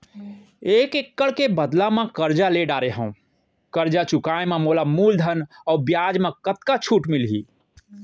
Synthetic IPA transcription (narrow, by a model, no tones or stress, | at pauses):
ekekːəɭkebəd̪lamẽkəɾd͡ʒaleɖaɾeɦə̃ũ | kəɾd͡ʒat͡ʃukaememolamuld̪ʱənɔbjad͡ʒmẽkət̪kat͡ʃʰuʈmilɦḭ